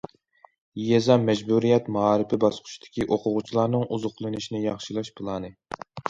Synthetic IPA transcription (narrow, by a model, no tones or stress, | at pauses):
jɛzɑmɛd͡ʒbuɾijɛt̪mɑɑːɾɨpɪbɑsqʰʊ̥ʃid̪ʰɪ̥kʲiʔoqʰʊʁʊt͡ʃʰilˠɑɾnɨŋuzʊχlˠɨnɨʃinɪjɑχʃilˠɑʃpʰɨlˠɑnɨ